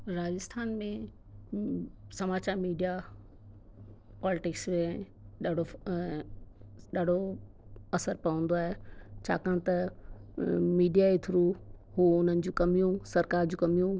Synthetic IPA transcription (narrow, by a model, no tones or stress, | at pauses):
ɾaːd͡ʑɪst̪ʰaːnmẽ | sɐmaːt͡ɕaːɾmiːɖija | pɔːlɪʈɪksmẽ | ɗaːɖo | ɗaːɖ̤ʱo | ɐsəɾpɐʋə̃n̆d̪oaːɦet͡ɕʰa̰ːkãːt̪ɐ | miːɖijaet̪ʰʊɾuɦuʊn̤ənɪ̆d͡ʑũːkɐmijũsɐɾkaːɾd͡ʑũːkɐmijũ